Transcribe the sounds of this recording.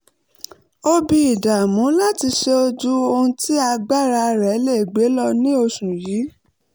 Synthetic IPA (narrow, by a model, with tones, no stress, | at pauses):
o˧bi˧˨i˨da˨mũ˨˦la˦ti˧ʃe˧o˧d͡ʒu˦o˧ũ˧˦tʰi˦a˧ɡ͡ba˦˨ɾa˧ɾɛ˨˦le˦˨ɡ͡be˨˦lɔ˦nĩ˦o˧ʃũ˨jiː˨˦